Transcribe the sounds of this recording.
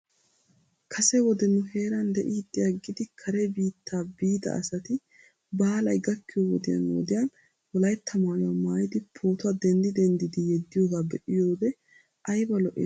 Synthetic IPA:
kʰɐsɛwɔd̪ɛnʊheːɾɐnd̪ɛʔiːd̪ːɪjɐɡɪd̪ɪkʰɐɾɛbiːt̪ʰːaːbiːt̪ɐ̰ɐ̰sɐt̪ɪ | baːlɐjɡɐkːɪjowɔd̪ɪjɐ̰nwɔ̰d̪ɪjɐn | wɔlɐjt̪ʰːɐmaːjʊwamaːjɪd̪ɪpʰo̞ːt̪ʊɐd̪ɛnd̪ɪd̪ɛnd̪ɪd̪ɪjɛd̪ːɪjoːɡabɛʔɪjoːbɛ | ʔɐjbɐlɔʔɪ̰

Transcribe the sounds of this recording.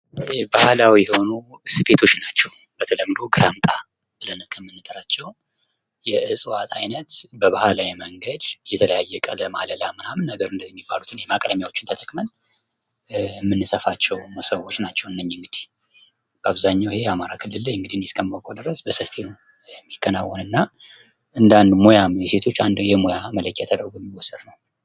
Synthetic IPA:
bahlawijɛho̞nuɨsɨbe̞t̪ʰo̞t͡ʃːnat͡ʃːɛw | b̥ət̪ʰələmːɨd̪o̞ɡɨɾamt̪ʼa | bɨlənɨkʼːəmːɨnːɨt̪ʼɨɾat͡ʃːɛw | jɛʔɨsʼwat̪ʰajnət̪bəβahalawiməŋɡəd̪jɛt̪ʰələjajːɛkʼələma̰ləlamːɨnamɨnːəɡəɾɨnd̪əzijmːibːalut̪ʰɨnjemakʼd̪əmjawo̞t͡ʃːɪnt̪ʰət̪ʰəkʼmən | mːɨnːɨsəfat͡ʃːɛwmsəwo̞t͡ʃːnat͡ʃːɛwɨnːəɲːɪŋɡɨd̪i̥h | b̥əaβzaɲːawihe̞jɛamaɾakʰɨlːɨlːajɨŋɡɨd̪ihɨnjɛskʰəmːəkʼod̪ɨɾəsbəsəfːi | ɛmːikʰːənawːɔnɨnːa | ʔɨnd̪and̪mo̞jaɛse̞t̪ʰo̞t͡ʃːand̪jɛmo̞jamələkʰːjat̪ʰəd̪əɾɡojɛmːiwɔsːɨd̪nəw

